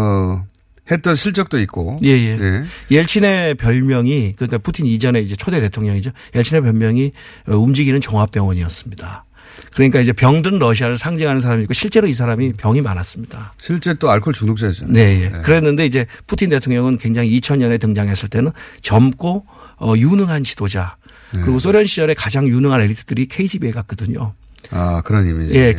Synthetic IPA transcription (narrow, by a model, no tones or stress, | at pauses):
het͈ʌnɕʰiɭt͡ɕ͈ʌk̚t͈oit̚k͈oje̞je̞jejeɭt͡ɕʰine̞pjʌɭmjʌŋikɯɲik͈apʰutʰinid͡ʑʌne̞id͡ʑe̞t͡ɕʰodede̞tʰoŋɲʌŋid͡ʑo | jeɭt͡ɕʰine̞p̬jʌɭmjʌŋi | ʌumd͡ʑiɡinɯnt͡ɕʌŋɦap͈jʌŋwʌɲiʌs͈ɯmɲida | kɯɾʌɲik͈aid͡ʑe̞pjʌŋdɯnɾʌɕʰiaɾɯɭsʰaŋd͡ʑiŋɦanɯnsʰaɾamik͈oɕʰiɭt͡ɕ͈e̞ɾois̬ʰaɾamipjʌŋimanas͈ɯmɲid̥aɕʰiɭt͡ɕ͈e̞t͈oaɭkʰoɭt͡ɕunokt͡ɕ͈ʌisʌne̞jekɯɾenːɯnde̞id͡ʑe̞pʰutʰinde̞tʰoŋɲʌŋɯnkwe̞ŋd͡ʑaŋiːt͡ɕʰʌnɲʌne̞tɯŋd͡ʑaŋɦe̞s͈ɯɭt͈e̞nɯnt͡ɕʌmk͈o | ʌjunɯŋɦanɕi̥d̥od͡ʑa | kɯɾiɡos̬͈ʰoɾjʌnɕʰid͡ʑʌɾe̞kad͡ʑaŋjunɯŋɦane̞ɭːitʰɯd̥ɯɾikʰe̞id͡ʑibieɡak̚k͈ʌdɯɲo | akɯɾʌɲimije̞